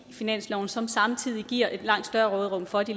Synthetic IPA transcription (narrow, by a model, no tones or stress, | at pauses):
finæn̰slɒʊn̩sɒ̽msɑ̈mt͡sʰið̰ˠiɡ̥iɐ̰ʔe̝d̥lɑ̈ŋ̰d̥sd̥ɶɐʁɔ̽ːð̞̩ˠʁɔ̽m̰fɒ̽d̥i